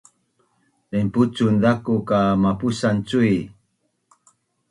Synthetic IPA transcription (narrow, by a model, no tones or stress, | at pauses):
lemput͡sund̪akukamapusant͡sui